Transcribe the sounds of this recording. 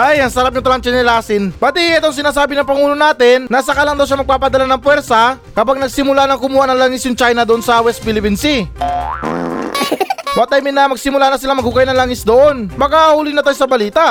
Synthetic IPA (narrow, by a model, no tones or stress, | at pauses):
ʔajɐŋsɐɾap̚ɲʊt̪ɐlɐŋt͡ʃɛnɛlaːsɪnbɐt̪iɛt̪oŋs̬ɪnaːs̬aːbɪnɐŋpɐŋuːlonaːt̪ɪnːasɐkɐlaŋd̪ɐwʃ̬amɐɡ̚paːpɐd̪ɐlanɐŋpwɛɾsɐ | kɐpaɡ̚nɐɡ̚sɪmʊlanɐŋkʊmuːhanɐŋlaŋɪsjʊŋt͡ʃajnɐd̪oʔonsɐwɛst̪̚pilɪpinsi | wɐt̪ajmɪnɐmɐɡ̚sɪmʊlanɐsɪlaŋmɐɡ̚hʊkajnɐŋlaŋɪsd̪oʔo̞nmɐkahuːlɪnɐt̪ajosɐbɐliːt̪aʔ